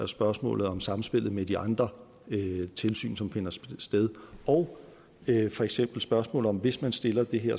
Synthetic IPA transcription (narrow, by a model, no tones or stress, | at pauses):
ɐsb̥ɶɐsmɔ̰̽ːlð̞̩ˠɒ̽msɑ̈m̩sb̥e̝lð̩ˠmed̥iʔɑ̈nd̥ʁɐ | t͡sʰe̝lsy̰ːnsɒ̽mfe̝nɐsd̥eðˠɒʊ | fɒ̽eɡ̥sem̰b̥l̩sb̥ɶɐsmɔ̰̽ːlð̩ˠɒ̽mʋe̝smænsd̥e̝lɐd̥e̝ɦeɐ̰